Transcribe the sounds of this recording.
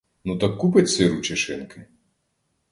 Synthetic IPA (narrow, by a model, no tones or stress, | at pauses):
nut̪ɐkːup̬ɐt͡sʲsʲɨɾut͡ʃɪʂɨnkɪ